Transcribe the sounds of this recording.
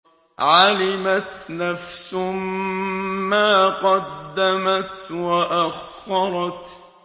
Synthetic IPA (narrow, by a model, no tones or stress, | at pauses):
ʕalɪmat̪nafsʊ | maːqɑd̪ːamat̪waʔax | ɑɾˤɑt̪